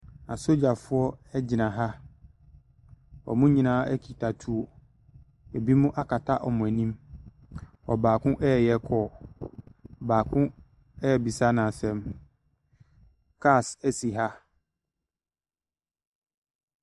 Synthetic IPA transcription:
a˨so˦d͡ʑa˨fʊ˦ɔ˦ɛ˦d͡ʑɪ˨nã˨ɦa˦ | ɔ̰˨mʊ̃˦ɲĩ˨nãː˦ɛ˦kʰi˨tʰa˨tʰu˦o˨ | e˨bi˦mʊ̃˦ʔa˦kʰa˨tʰa˦ʔɔ˨mʊ̃˨æ˨nĩ˦m | ɔ̰˨baː˨kʰʊ̃˦ʔɛ˦˨jɛ˦kʰɔ˦˨ | baː˨kʰʊ̃˦ | ɛ˦˨bi˨sa˦nã˨sɛ̃˨m | kʰa˦˨sæ˨si˨ɦa˦

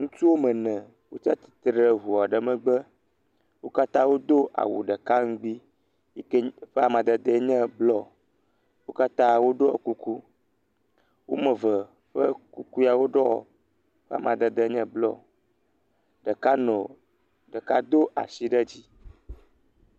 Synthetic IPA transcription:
ŋũ˦t̪u˦wo˦mə̃˨nɛ̃˨ | wo˦t͡ʃa˦t̪i̥˨t̪ɾə˦ɦu˨a˨ɖə˨mə̃˨ɡ͡bə˦ | wo˦ka˦t̪ã˦wo˦d̪o˦ʔa̰˨wṵ˨ɖə˨ka˦ŋ̩˦ɡ͡bi˦ | kɸe˦a˨mã˨d̪ə˨d̪ə˦ɲɛ̃˦blɔ˦˨ | wo˦ka˦t̪ã˦wo˦ɖo˦ɔ˨ku˦ku˦ | wo˦mə̃˨və˨ | ɸə˦ku˦ku˦ja˨wo˦ɖɔ˦ɔ̰˨ | ɸe˦a̰˨mã˨d̪ə˨d̪ə˦ɲɛ̃˦blɔ̰˦ | ɖə˨ka˦nɔ̃˨ | ɖə˨ka˦d̪o˦ʔa̰˨si˦ɖə˦d͡ʑi˦

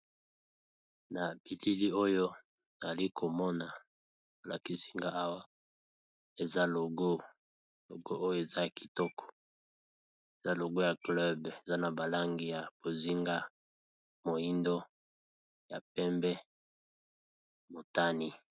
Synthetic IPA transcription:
na˨b̥i˨li˦li˦o˦jo˦ | na˨a˨li˦kʰo˨mɔ˦na˨ | o˨la̰˨ki˦si̥˦ŋɡa˦a˦wa˦ | e˨za˦lo˨ɡo˦ | lo̰˨ɡo˦ʔo˦jo˦e˨za˦˨kʰi̥˨tɔ˦kʰɔ̥˨ | e˨za˦lo˨ɡo˦ja˨klɛ˦be˨za˦na˨ba˨la˦ŋɡi˦ja˨b̥o˨zi˦ŋɡa˦ | mo˨ji˦ndo˦ | ja˨pɛ˦mbɛ˦ | mo˨ta˦ni˦

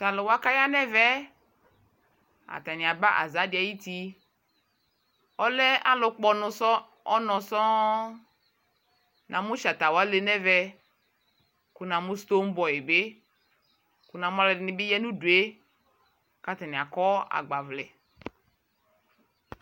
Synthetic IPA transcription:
ta˨lʊ˨wa˦ka˦ja˦nɛ˦vɛ˦ | a̰˨t̪a˨nɪ̃˨a˨ba˦ʔa̰˨za˦dɪ˨a˨ji˦t̪i˦ | ɔ˦lɛ˦a˦lʊ˦k͡pɔ˦nʊ˨sɔ˦ | ɔ˦nɔ̃˨sɔ˦ | nʔã˨mʊ̃˦ʃa˨t̪a˨wa˦le˨nɛ˦vɛ˦ | kʊ˨nã˨mʊ̃˦st̪o˦m̩˦bɔ˨je˨be˦ | kʊ˨nã˨m˦a˦lɛ˨dɪ˨nɪ˨˦bɪ˦jɛ˦nũ˦du˨e˦ | ka˦t̪a˨nĩ˨a˨kɔ˦a̰˨ɡ͡ba˨vlɛ˨

